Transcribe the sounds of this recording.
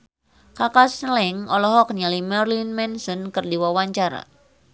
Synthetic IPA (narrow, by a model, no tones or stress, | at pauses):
kakasnlɛŋɔlɔɦɔk̚nalimɛrlinmɛnsɔnkɨrdiwawaɲt͡ʃaɾa̰